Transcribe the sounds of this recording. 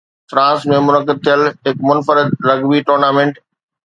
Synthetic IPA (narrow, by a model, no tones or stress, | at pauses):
fɾãːsmẽmʊnəkːɪd̪̚t̪ʰijəlɦɪkmʊnfəɾɪd̪ɾɐɡbiʈoːɾnaːmẽːɳʈ